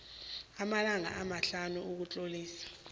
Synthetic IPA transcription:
amalaŋa̰ʔamaɬanuuk̬ut͡ɬʼoliːsḁ

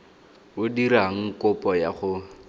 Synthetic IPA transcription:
ʊdiɾaŋ̩kʊpʼɔjaχʊ

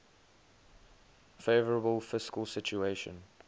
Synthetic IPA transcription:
feɪvəɹəbəlˠfɪskəlˠsɪt͡ʃueɪʃə̰̃n

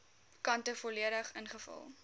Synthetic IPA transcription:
kɐntəfɔliəɾəχənχəfɐ̰lˠ

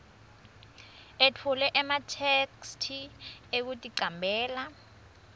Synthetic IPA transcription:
etʰulɛʔɛmatʰekstʰiek̬utʼiǀambʱɛːla

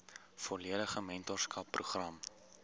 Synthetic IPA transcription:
fɔliədəχəmɛntɔrskɐpːruχrɐm

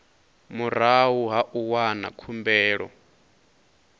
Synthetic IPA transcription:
muɾaɦuɦaʔuwana̰kʰumbɛːɺɔ̰

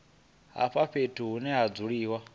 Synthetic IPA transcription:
ɦa̰ɸaɸetʰuɦunɛɦad͡zuɺiːwa

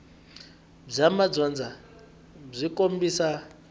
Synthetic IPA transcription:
b͡ʐamad͡zɔnd͡za | b͡ʐʷikʼombisa

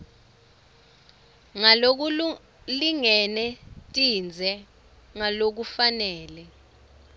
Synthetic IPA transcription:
ŋalok̬u | liŋɛnɛtʼind͡zʱɛ | ŋalok̬ufanɛːlɛ

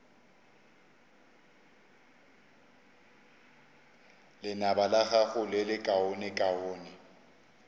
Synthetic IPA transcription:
lɪnabalaɣaɣʊlɪlɪkʼaonɪkʼaoːnɪ

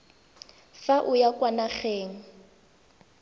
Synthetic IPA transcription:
faʔʊjakʼwanaχeːŋ̩

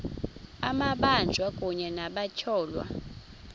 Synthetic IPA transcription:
amaɓand͡ʒʱwakʼuɲɛnaɓacʰɔːlwa̰

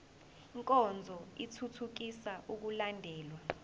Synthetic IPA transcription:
iŋkʼɔnd͡zʱɔitʰutʰuk̬isaʔuk̬ulandʱɛːlwa

